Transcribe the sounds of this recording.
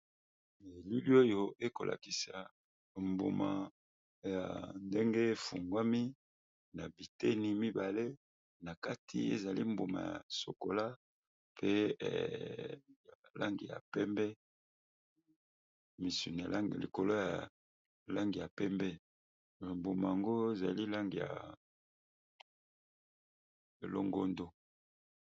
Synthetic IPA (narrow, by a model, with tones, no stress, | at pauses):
li˦li˦o˦jo˦e˦ko˨lʔa̰˨ki˨sa˨ | mbo̰˨ma̰˨ | ja̰˨nde˦ŋɡe˦fṵ˨ŋɡwa˦mi˦ | na˨bi˨te˦ni˨˦mi˦ba˨le˦ | na˨ka˦tʰḭ˦ḛ˦za˨li˦mbo˨ma̰˨ja̰˨so̰˨ko˨la˦ | pʰḛ˦˨ | ja˨la˦ŋɡi˨ja̰˨pɛ˦mbɛ˦ | mi˨sḭ˨na˨˦˨lḭ˨ko˨lo˦ja̰˨ | la˦ŋɡi˨ja˨pɛ˦mbɛ˦˨ | mbo˨ma˨ja˨ŋɡo˦e˦za˨li˦la˦ŋɡi˨ja̰˨ | e˨lo̰˦ŋɡo˦ndo˦